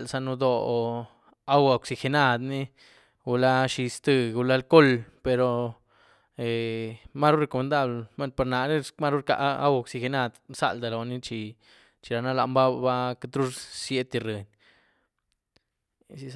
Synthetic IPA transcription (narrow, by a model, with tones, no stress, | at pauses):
lsa˧nu˧d̪o˧ | a˦wa˨o˨ksi˧xe˧na˦˨d̪ni˦ | ɡu˧la˦ʃi˧st̪ɨ˧ɡu˧la˦lko˦lpe˧ɾo˧ | e˨ma˦ɾu˦ɾe˧ko˨me˧nd̪a˦blma˦pa˧ɾna˨ni˦ma˦ɾu˦ɾka̰˧ʔa̰˦wa˧˨ksi˧xe˧na˧d̪sa̰˦˨ld̪a˨lo˨˧ni˦t͡ʃi˨˧ | t͡ʃi˧ɾa˨na˦la˧mba˦ba˦ka˧t̪ɾu˦ssje˦t̪i˧ɾɨ˨n | si˧